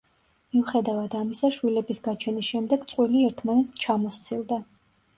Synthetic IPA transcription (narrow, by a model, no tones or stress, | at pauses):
miuχɛd̪avad̪amisaʃwilɛbisɡat͡ʃʰɛnisʃɛmd̪ɛɡt̪sʼqʼwiliɛɾt̪ʰmanɛt̪sʰt͡ʃʰamɔst̪sʰilˠd̪a